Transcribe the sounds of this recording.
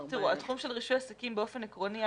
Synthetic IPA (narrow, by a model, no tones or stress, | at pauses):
t̪iʁuat̪χumʃe̞lʁiʃujasakimbeo̞fe̞nekʁoni